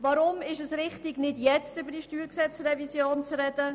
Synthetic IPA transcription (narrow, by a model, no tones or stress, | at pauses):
vɑɾʊmɪʃɛsɾɪχtɪɡnɪdjɛt͡stʏbəɾdiʃtyːɾksɛt͡srɛvisjoːnt͡srɛdə